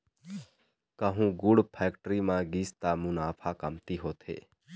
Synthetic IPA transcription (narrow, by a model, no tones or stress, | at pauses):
kəɦũːɡʊɽpʰɛːkʈɾimãːɡiːst̪aːmunaːpʰaːkəmt̪iɦoːt̪ʰḛː